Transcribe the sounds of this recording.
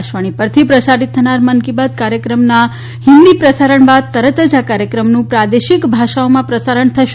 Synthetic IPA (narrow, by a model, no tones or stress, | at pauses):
ʃʋaɳ̃ipəɾt̪ʰipɾəsaɾit̪ʰːənaɾmənkibad̪̚kaɾjəkɾəmna | hɪnd̪ipɾəsaɾəɳbad̪̚t̪əɾət̪əd͡ʒakaɾjəkɾəmnũpɾad̪eʃikbʱaʃaomãpɾəsaɾəɳt̪ʰəʃ